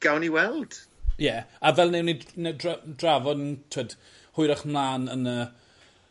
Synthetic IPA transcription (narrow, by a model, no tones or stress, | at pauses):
ɡ̥awniwɛlˠd̥jɛavɛlˠnɛwninɛdradravɔdntʰəd̥ | hʊɨɾaχmlˠaːnənə